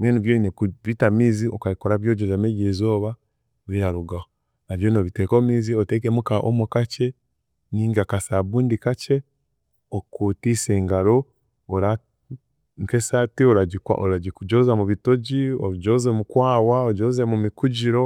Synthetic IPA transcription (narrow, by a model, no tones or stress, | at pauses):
mweːnuβjoneuvitamiːziʔokaikoɾaβjo̞ːɟozameɟezo̞ːβa | uɾijaɾuɡao | naβjoːnoβiteko̞ːmiːziotek̬emukaʔo̰mukat͡ʃe̞ | niːŋɡakasaβuːndikat͡ʃe̞ | okutiseːŋɡaɾo̞ | oɾa | ŋkesaːtioɾaɟika̰ʔoɾaɟikuɟo̞ːzamuβito̞ɟioɟoːzemukwaːwaoɟo̞ːze̞mumikuɟiɾo̞